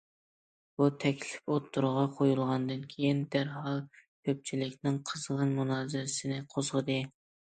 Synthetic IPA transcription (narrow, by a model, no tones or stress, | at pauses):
b̥ut̪ʰɛkʲlɪpot̪ʰːuɾʁɑqʰojulˠʁɑnd̪ɨnkʲʰejind̪æɾhɑlˠkʲʰøp̚t͡ʃʰilɪkʲnɪŋqʰəzʁənmunɑːzɪɾɪsɪnɪqʰozʁəd̪ɨ